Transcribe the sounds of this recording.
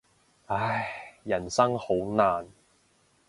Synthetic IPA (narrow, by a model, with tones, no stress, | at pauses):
a˨˥˩jjɐ˨˩nsɐ˥ŋho˨˥wnaː˨n